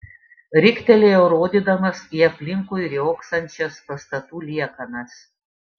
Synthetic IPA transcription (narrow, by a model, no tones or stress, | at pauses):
ɾʲɪkʲt̪ʲɛlʲeːjɛʊɾoːd̪ʲiːd̪ɐmɐsiːɐpʲlʲɪŋkuːɪɾʲjoːksɐnʲt͡ʃʲɛspɐst̪ɐt̪uːlʲiɛkɐnɐs